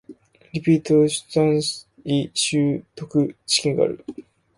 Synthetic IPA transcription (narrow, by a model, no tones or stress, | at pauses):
ɾʲipʲiːt̪oɕɨ̥t̪ãɰ̃ | iɕɨːt̪o̞kɯ̟t͡ɕi̥kʲẽŋɡa̰a̰ɾɯ̟̰